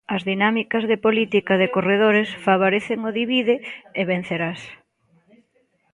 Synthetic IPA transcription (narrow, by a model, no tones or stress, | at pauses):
ɐzðinamikɐzðɪpolit̪ikɐðɪkoreðoɾɪsfaβ̞oɾeθɪŋoðiβiðɪeβẽn̟θeɾas